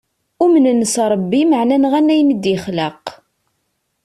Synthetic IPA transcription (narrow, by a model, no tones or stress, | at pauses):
ʊmənnːəsɾˤɑbːiməʕnænʁænːæjnəd̪jəχləq